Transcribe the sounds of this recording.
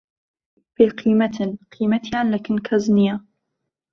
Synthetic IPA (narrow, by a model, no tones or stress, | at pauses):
biqʰiːmat̪qʰiːmat̪iʕanlakɪnkʰaznɪja